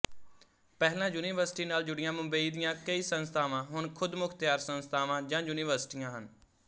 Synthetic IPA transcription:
pɛːɦlãːjuːniːʋəɾsʈiːnaːld͡ʒʊɽɪjãːmʊ̃mbəiːd̪ɪjãːkəiːsənst̪ʰaːʋãːɦʊɳkʰʊd̪mʊkʰt̪ɪjaːɾsənst̪ʰaːʋãːd͡ʒãːjuːniːʋəɾsɪ̥ʈijãːɦən

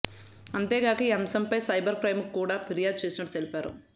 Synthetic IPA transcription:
ɐnt̪eːɡaːkɐiːɐmsɐmpɐjsɐjbɐɾpɾɐjmkːuːɽaːpʰiɾijaːd̪̚t͡ʃeːsinɐʈːu̥t̪elipaːɾṵ

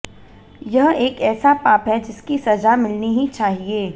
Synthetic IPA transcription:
jɐɦeːkɛːsapaːpɦɛd͡ʒɪskisɐd͡ʒamɪlniɦit͡ʃaːɦieː

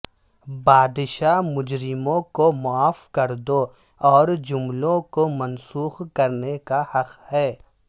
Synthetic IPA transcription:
baːd̪ʃamʊd͡ʒɾɪmõkomʊaːfkɐɾd̪o | ɔːɾd͡ʒʊmlõkomɐnsuːxkɐɾnekahɐqhɛː

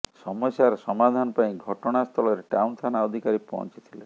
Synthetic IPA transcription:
sɔmɔsjaɾsɔmad̪ʱanɔpaj̃ɡʱɔʈɔɽ̃ast̪ʰɔlɔɾeʈaunt̪ʰanaɔd̪ʱikaɾipɔ̰ɦɔ̰nt͡ʃi̥t̪ʰile

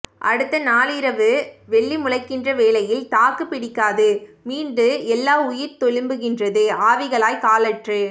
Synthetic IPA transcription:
ʔɐ̰ɽɯt̪ːɐnaːlɪɾɐʋɯʋɛɭːimʊɻɐɪkːɪndrɐʋeːlɐjɪlt̪aːkɯpːɪɽɪkːaːðɯmiːnɖɯɛlːaːʊjɪɾt̪ɔɻɯmbɯɣɪndrɐðɯaːʋɪɣɐɭaːjkaːlɐʈrɯ

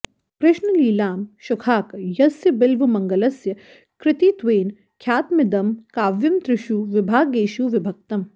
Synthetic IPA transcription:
kɾɪʃnɐliːlaːmʃʊkʰaːkjɐsjɐbɪlʋɐmɐŋɡɐlɐsjɐ | kɾɪt̪iːt̪ʋeːn | kʰjaːt̪mɪd̪ɐmkaːʋjɐmt̪ɾɪʃuːʋɪbʱaːɡeːʃuːʋɪbʱɐk̚t̪ɐm

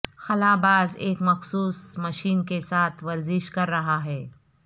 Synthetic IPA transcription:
xɐlaːbaːzeːkmɐxsuːsmɐʃiːnkesaːt̪ʰʋɐɾzɪʃkɐɾːɐɦaɦɛː

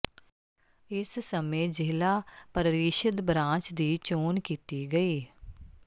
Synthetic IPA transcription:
ɪssəmẽːd͡ʒɪːlaːpəɾəɾɪʃəd̪bɾãːt͡ʃd̪iːt͡ʃoːnkiːt̪iɡəiː

